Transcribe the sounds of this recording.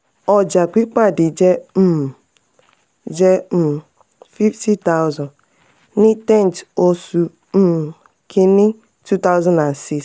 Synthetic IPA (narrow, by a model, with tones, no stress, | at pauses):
ɔ˨d͡ʒa˨kʷi˦k͡pa˦˨dɪ˨d͡ʒe˦ | d͡ʒe˦m̩˨ | fi˦fti˦ta˦ʊ˦zɔ̃˨n | nɪ˦tɛ˦˨n˨to˦su˨ | m̩˦˨ | kʰɪ˦nɪ˦ | tu˦ta˦ʊ˦zã˦nda˨nsi˦s